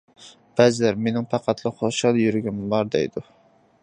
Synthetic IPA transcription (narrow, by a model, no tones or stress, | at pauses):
b̥ɛzɪlæɾmenɪŋpʰɑqʰɑt̪ʰlˠɨχoʃɑlˠjyɾɡʲymvɑɾd̪ɛ̰jd̪u